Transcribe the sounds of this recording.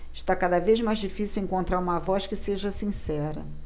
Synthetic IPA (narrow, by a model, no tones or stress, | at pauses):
ɪʃt̪akad̪ɐvezmajzd͡ʒifisiwẽŋkõnt̪ɾaɾũmɐavɔskɪseʒɐsĩsɛɾɐ̰